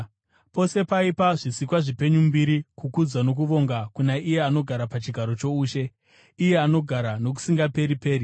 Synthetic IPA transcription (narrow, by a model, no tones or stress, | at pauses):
po̞se̞paipaʐisikwaʐipe̞ɲumbiɾikukud͡zwano̞k̬uʋo̞ŋɡakunaije̞ano̞ɡʱaɾapat͡ʃiɡʱaɾo̞t͡ʃo̞uːʃe̞ | ije̞ano̞ɡʱaɾano̞k̬u̥siŋɡape̞ɾipe̞ːɾi